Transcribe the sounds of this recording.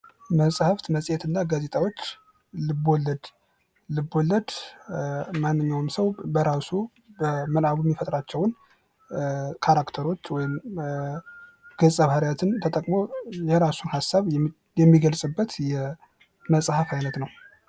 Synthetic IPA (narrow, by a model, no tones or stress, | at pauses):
məsʼhɨft̪məsʼjɛt̪ɨnːaɡaze̞t̪ʰʼawo̞t͡ʃː | lɨbːolːəd̪ | lɨbːolːəd̪ | manːɨɲːawmsəwbəɾasu | bəmɨnaβuɛmːifət̪ʼɾat͡ʃːɛwn | kʰaɾakt̪ʰəɾo̞t͡ʃːwɔjɪm | ɡ̥əsʼəβhaɾjat̪ʰɨnt̪ʰət̪ʼəkʼmo̞jɛɾasunhasːaβ | jɛmːiɡəlsʼɨbːət̪jɛ | məsʼhəfajnət̪nəw